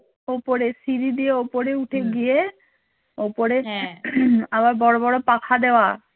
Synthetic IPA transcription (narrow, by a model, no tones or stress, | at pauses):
opoɾesiɾid̪ijeopoɾeuʈʰeɡije | opoɾe | aβaɾbɔɽobɔɽopakʰad̪ewa